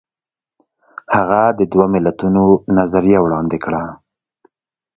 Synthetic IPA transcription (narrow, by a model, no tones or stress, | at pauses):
haɣad̪əd̪wamɪlat̪unonazaɾijawɽɑnd̪ɪkɽa